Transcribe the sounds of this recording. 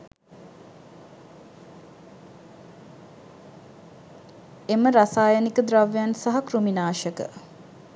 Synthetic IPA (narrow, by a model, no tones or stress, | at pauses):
eməɾasaːjənikəd̪ɾaʋjansaɦakruminaːʃəkə̰